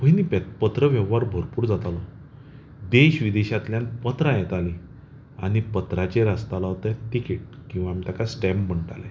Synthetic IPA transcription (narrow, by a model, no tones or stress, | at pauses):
pəjnipɛt̪pət̪ɾəʋjɛʋːaɾbʱoɾpuːɾd͡zat̪alɔ | d̪eɕʋid̪eɕat̪ljãnpət̪ɾajɛt̪ali | a̰ñipət̪ɾat͡ɕeɾast̪alaɦot̪et̪ikeʈ̚kĩw̃ʋamit̪akasʈɛmməɳʈa̰le